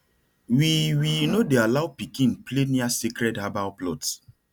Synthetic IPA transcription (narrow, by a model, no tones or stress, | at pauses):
wiwinodealawpikĩnpleniasikɾɛdhabawplɔt